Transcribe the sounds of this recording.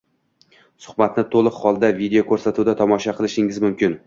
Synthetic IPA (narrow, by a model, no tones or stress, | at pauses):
sʊ̥χbat̪nɪt̪ʰolˠɨqhɒlˠd̪avid̪eokʰɵɾsat̪ʰud̪at̪ʰɒmɒʃaqʰɨlˠɪʃɪŋɪzmʊmkʲɪn